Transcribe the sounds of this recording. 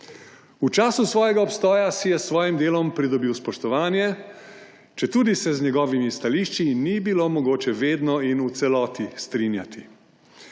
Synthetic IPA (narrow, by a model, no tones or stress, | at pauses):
ut͡ʃaːsusʋɔːjɛɡaɔpst̪ɔːjasijɛsʋɔːjimd̪eːlɔmpɾid̪ɔbiːwspɔʃt̪ɔʋaːnjɛ | t͡ʃɛt̪uːd̪isɛzɲɛɡɔːʋimist̪aliːʃt͡ʃinibilomɔɡoːt͡ʃɛʋeːd̪nɔinut̪sɛlɔːt̪ist̪ɾiːnjat̪i